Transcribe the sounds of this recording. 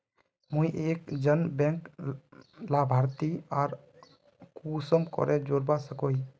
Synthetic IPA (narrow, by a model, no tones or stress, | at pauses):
muiʔekd͡ʒənbɛ̃ŋk | labʱaɾt̪iaɾ | kusəmkɔ̰ɾʔɛd͡ʒoɾbasəkoi